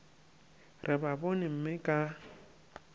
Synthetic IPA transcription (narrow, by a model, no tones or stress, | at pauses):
rʔɪbabonɪm̩mɪkʼa